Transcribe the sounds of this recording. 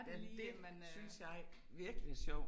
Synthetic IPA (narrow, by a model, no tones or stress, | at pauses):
d̥eliːd̥emænsynsjɑ̈ɪ | ʋiɐɡ̥lisjɒʊ̰